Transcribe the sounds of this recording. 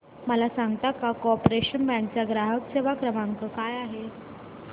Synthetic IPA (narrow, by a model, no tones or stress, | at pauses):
məlasãŋɡət̪akakoɔpɾeɕənbɛ̃ɳk̚t͡ɕjaɡɾaɦəkseʋakɾəmãŋkəkajaɦe